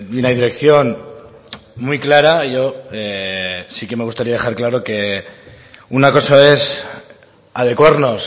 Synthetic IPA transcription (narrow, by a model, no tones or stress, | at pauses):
inaðiɾe̞kθjo̞n | mujklaɾaʝo̞esike̞me̞ɣust̪aɾiað̞e̞xaɾklaɾo̞ke̞ | unako̞sae̞s | að̞e̞kwaɾno̞s